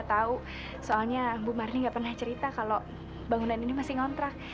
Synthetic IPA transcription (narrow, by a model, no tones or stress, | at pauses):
at̪au | soalɲabumaɾniŋɡapərnaht͡ʃəɾit̪akalo | baŋunaninimasɪŋɔnt̪ɾak̚